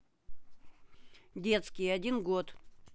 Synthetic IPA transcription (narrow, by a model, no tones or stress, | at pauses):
dʲe̞t̪skʲɪjɐdʲinɡot̪